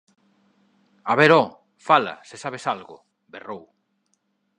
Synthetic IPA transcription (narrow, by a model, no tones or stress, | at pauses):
aβeɾɔ | fala̰sesaβesalɣʊ̰ | berow